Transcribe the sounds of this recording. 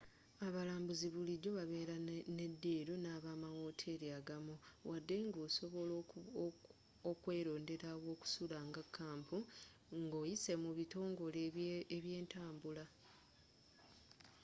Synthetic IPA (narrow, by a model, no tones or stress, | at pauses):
aβalaːmbuziβuliɟo̞βaβe̞ːɾane̞dːiːɾonaːβaːmawo̞ːtʰe̞ɾiaɡamuwʔadːe̞ŋɡoːso̞βo̞lo | okwe̞ːɾo̞ːnde̞ɾawo̞ːku̥sulaŋɡakʰːaːmpu | ŋɡoːjise̞muβito̞ːŋɡo̞leeβje̞ːntaːmbula